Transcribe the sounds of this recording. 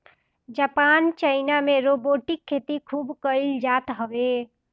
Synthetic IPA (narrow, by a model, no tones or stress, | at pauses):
d͡ʒapaːnt͡ʃəɪnamẽɾoːboːʈɪkʰːeːt̪ikʰuːbkəɪld͡ʒaːt̪ɦəʋe